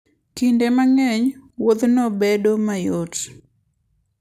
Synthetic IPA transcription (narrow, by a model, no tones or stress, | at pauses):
kindemaŋɛɲwod̪nobedomajot